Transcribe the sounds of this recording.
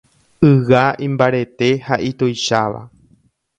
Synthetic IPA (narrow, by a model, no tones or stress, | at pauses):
ɨwaĩmbaɾe̞t̪e̞haʔit̪ojʃaʋa̰